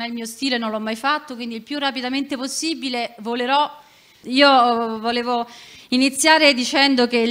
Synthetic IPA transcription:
nɛilmiːost̪iːlenõnlɔmːajfat̪ːokwind̪ilpjurːapid̪ament̪eposːiːbilevoleɾɔ | iːovoleːvoinit̪sːjaːɾed̪it͡ʃɛnd̪oke

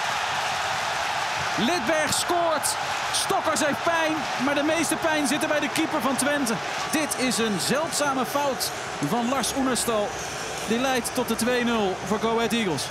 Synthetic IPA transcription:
lɪd̚bɛɹχskʊːɹt | stɔkəɹzɛjpɛjn | maːɹdəmejstəpɛjnzɪtəɹbɛjdəkipəɹvɑntʋɛntə | d̥ɪtɪsənzɛlˠtsaːməfɑwt | vɑnlɑɹsunəstɑlˠ | dɪtlɛjtːɔt̚dətʋejnɵlˠvʊːɹɡowɛtiɡəlˠs

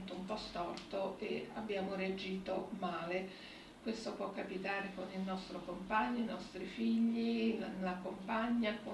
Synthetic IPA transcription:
t̪oumpɔst̪ɔrt̪oea̰bːjaːmoɾead͡ʒiːt̪omaːle | kwest̪opwɔkːapit̪aːɾekonilnɔst̪ɾokompaɲːoinɔst̪ɾifiʎːillakompaɲːako

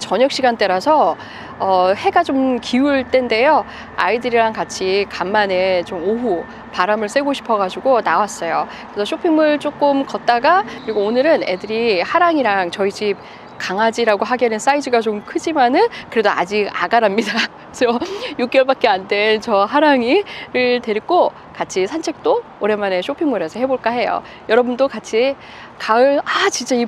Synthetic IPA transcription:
t͡ɕʌɲʌk̚ɕ͈ʰiɡant͈eɾasʰʌ | ʌhe̞ɡat͡ɕomkiuɭt͈e̞nde̞jo | a̰idɯɾiɾaŋkat͡ɕʰikamːane̞t͡ɕomoɦu | paɾamɯɭs͈ʰe̞ɡoɕʰi̥pʰʌɡad͡ʑuɡonawas͈ʌjokɯɾesʰʌɕʰopʰiŋmɯɭt͡ɕ͈ok͈ɯmkʌt̚t͈aɡakɯɾiɡoonɯɾɯne̞̰dɯɾihaɾaŋiɾaŋt͡ɕʌid͡ʑip̚ | kaŋad͡ʑiɾaɡoɦaɡenɯns͈aid͡ʑɯɡat͡ɕomkʰɯd͡ʑimanɯnkɯɾe̞doa̰d͡ʑiɡa̰ɡaɾamɲida | sʰʌjuk̚k͈jʌɭbak̚k͈e̞ande̞nt͡ɕʌɦaɾaŋiɾɯɭte̞ɾik͈o | kat͡ɕʰisʰant͡ɕʰe̞k̚t͈oː | ɾe̞mane̞ɕʰopʰiŋmɯɾesʰʌɦe̞boɭk͈aɦe̞jo̰ | jʌɾʌbundokat͡ɕʰi | kaɯɭat͡ɕint͡ɕ͈ai

